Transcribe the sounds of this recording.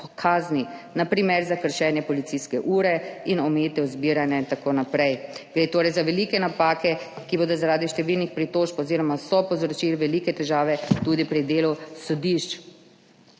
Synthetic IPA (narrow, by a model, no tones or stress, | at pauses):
kʰaːzninapɾimɛɾzakəɾʃɛːnjɛpɔlit̪siskɛʔuːɾɛinɔmeːt̪ɛuzbiɾanjaint̪akoːnapɾɛjɡ̥ɾeːt̪oːɾɛjzaʋɛliːkɛnapaːkɛkiboːd̪ɔzaɾaːd̪iʃt̪ɛʋilnixpɾit̪oːʃpɔziːɾɔmasɔpɔzɾɔt͡ʃiːlʋɛlikɛt̪ɛʒaːʋɛt̪uːd̪ipɾid̪eːlusɔd̪iʃt͡ʃ